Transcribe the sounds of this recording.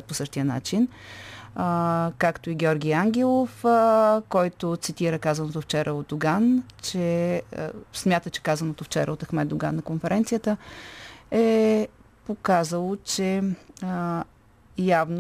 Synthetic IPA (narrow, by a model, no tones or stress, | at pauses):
t̪̚posɤʃt̪ijəna̰t͡ʃin | kakt̪oiɡʲɔɾɡʲijaŋɡʲɛlˠof | kɔjt̪ot̪sit̪iɾəkazɐnot̪oft͡ʃɛɾʔəod̪̚d̪ʊɡant͡ʃɛ̰ | smʲjat̪ət͡ʃɛ̥kazənot̪oft͡ʃɛ̰ɾəot̪ɐxmɛd̪d̪ʊɡanːɐkonfɛɾɛnt̪sijət̪ə | ɛ | pokazəlˠot͡ʃɛ | javn